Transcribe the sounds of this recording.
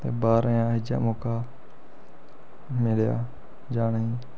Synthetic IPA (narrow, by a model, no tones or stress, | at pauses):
t̪eːbaːɾəjãːɦɪd͡ʒa̰ːmoːkaː | mɪlja̰ː | d͡ʒaːɳĩː